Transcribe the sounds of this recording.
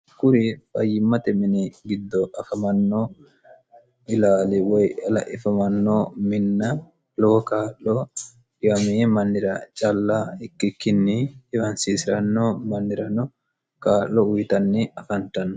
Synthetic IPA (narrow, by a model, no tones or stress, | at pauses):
kʊɾifɐjːɪmːɐt̪ɛmɪniɡɪd̪ːɔʔɐfɐmɐnːɔ | ʔɪlaːliwɔjɐlɐ̰ʔɪfɐmɐnːɔmɪnːɐ | loːkaːlːɔ | jɐmimɐnːɪɾɐt͡ʃʼɐlːaɪkːikːɪnːiɪwɐnsiːsɪɾɐnːɔmɐnːɪɾɐnɔ | kaːʔːɔʊjt̪ɐnːiɐfɐnt̪ɐnː